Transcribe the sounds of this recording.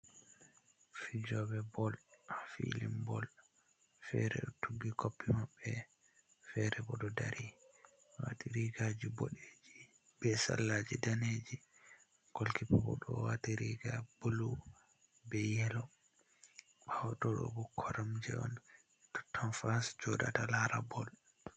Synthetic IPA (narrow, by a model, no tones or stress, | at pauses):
fid͡ʒɔbɛbɔlafḭlimbɔl | fɛ̰ɾɛ̰ɗɔtʰuɡːikʰopːimabːɛ | fɛɾɛbɔɗɔdaɾʔi | wa̰tiɾiɡad͡ʒibɔ̰ɗed͡ʒi | bɛsa̰lːad͡ʒidaned͡ʒi | ɡ̥olkipɔbɔ̰ɗɔwatiɾiɡab̥olu | bɛjɛlɔ | bawɔtɔɗɔ̰bɔkʰɔɾamd͡ʒɛɔn | ɛtɔ̥tʰːɔnfasd͡ʒɔdatalaɾabɔl